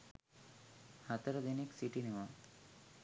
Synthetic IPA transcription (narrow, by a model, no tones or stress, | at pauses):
hat̪əɾəd̪eneksiʈineʋa